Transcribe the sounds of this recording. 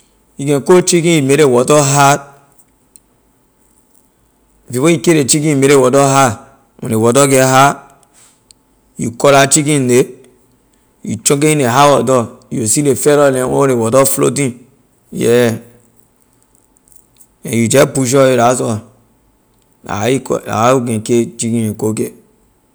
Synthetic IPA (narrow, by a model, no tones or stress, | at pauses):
jiɡɛ̃kot͡ʃikĩimeɾewɔtɔɦat̚ | fifojikeɾet͡ʃikĩimeɾewɔtɔɦa | o̰newɔtɔɡeɦa | jṵkɔɾat͡ʃikĩne | jṵt͡ʃõkeineɦawɔdɔjosilefeɾɔleo̰ɾewɔdɔflo̰tĩn | jɛ̰ | ḛ̃jud͡ʒɛpuʃ̬ɔeɾasɔ | a̰ika̰uɡẽket͡ʃikĩnekoke